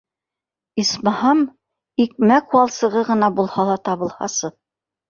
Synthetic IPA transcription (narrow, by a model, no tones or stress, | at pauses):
ismɑhɑm | ik̚mækwɑlˠsɤ̆ʁɤʁɤ̆nɑbulˠhɑlˠɑt̪ɑβɤ̆lˠhɑ̰sɤ